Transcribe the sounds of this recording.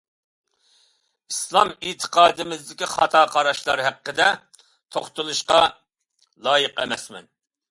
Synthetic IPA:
islˠɑmit̪ʰə̥qʰɑːd̪ɨmɪzd̪ɪkʲiχɑt̪ʰɑːqʰɑɾɑʃlˠɑɾɦæqːəd̪ɛ | t̪ʰoχt̪ʊlˠuʃqɑ | lˠɑːjɨqɛ̰mɛsmɛ̰n

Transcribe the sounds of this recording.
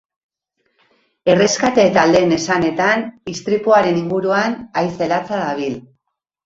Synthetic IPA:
e̞re̞skat̪e̞ːt̪ald̪e̞ːne̞sane̞t̪anist̪ɾipuaɾe̞niŋɡuɾuanajse̞lat͡saðaβ̞il

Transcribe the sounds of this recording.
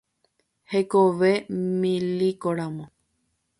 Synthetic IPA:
hekoʋemĩlikoɾãmõ

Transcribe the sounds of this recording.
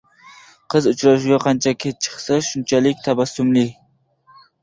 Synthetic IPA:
qʰɨzʊt͡ʃɾɑʃ̬uɡʲɑqʰɑnt͡ʃʰakʲʰet̪̚t͡ʃʰə̥χsaʃunt͡ʃʰɛlɪkʲt̪ʰabasːʊmlɪ

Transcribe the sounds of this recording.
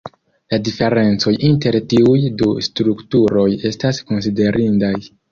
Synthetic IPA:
ladife̞ɾe̞nt͡so̞jinte̞ɾtiujdustɾuktuɾo̞je̞stasko̞ns̬ide̞ɾʔindaj

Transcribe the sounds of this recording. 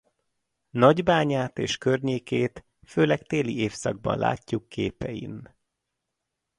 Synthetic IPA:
nɒɟbaːɲaːt̪eːʃkørɲeːkeːt̪ | føːlɛkt̪eːlieːfsɒɡ̚bɒ̰nlʔa̰ːcːukʰːeːpɛjḭn

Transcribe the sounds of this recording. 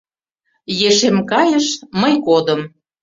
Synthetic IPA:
jeʃemkɑjə̆ʃməjkod̪ə̆m

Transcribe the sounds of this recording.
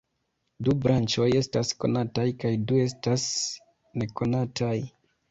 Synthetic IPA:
dubɾant͡ʃo̞je̞stasko̞̰natajkajdue̞s̬tas | ne̞ko̞natʰaj

